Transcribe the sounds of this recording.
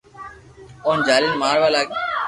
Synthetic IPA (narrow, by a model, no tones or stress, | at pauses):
oːnd͡ʒaːlɪlmaːɾʋaːlaːkː